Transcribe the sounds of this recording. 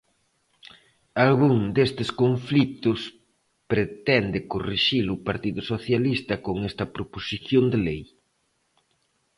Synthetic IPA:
alɣuŋd̪est̪ɪskoɱflit̪ʊs | pɾet̪ɛnd̪ɪkoriʃilʊpaɾt̪iðʊsoθjalist̪ɐkoŋɛst̪ɐpɾoposiθjond̪elej

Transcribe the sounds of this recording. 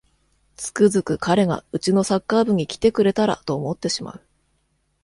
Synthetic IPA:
t͡sɨ̥kɯ̟zɨkɯ̟kʰaɾe̞ɡa̰ɯ̟t͡ɕino̞sakːaːbɯ̟ɲ̟ikʲi̥t̪e̞kɯ̟ɾe̞t̪aɾa̰t̪o̞ːmo̞t̪ːe̞ɕima̰ɯ̟

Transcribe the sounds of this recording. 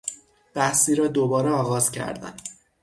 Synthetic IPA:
b̥æhsiːɾɒːd̪obɒːɾeɒːɣɒːzcʰæ̰ɾd̪æ̰n

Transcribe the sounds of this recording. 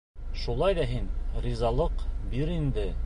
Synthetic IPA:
ʃulˠɑjðɑɦinrʲizɑlˠɤqbiɾind̪ɘ

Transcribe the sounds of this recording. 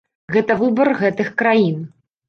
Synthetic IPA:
ɣɛt̪ɐvɨbɐrɣɛt̪ɨxkɾajin

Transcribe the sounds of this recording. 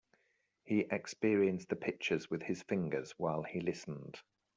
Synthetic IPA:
hiʔɛkspɪəɹiə̃nsðəpʰɪk̚t͡ʃəzwɪð̥ɪz̥fɪ̃ŋɡəz̥waɪlˠilɪsə̃n̩d̥

